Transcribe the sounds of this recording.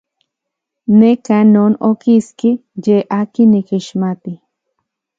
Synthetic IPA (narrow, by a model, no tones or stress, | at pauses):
nekanonokiskijeʔakinikiʃmat̪i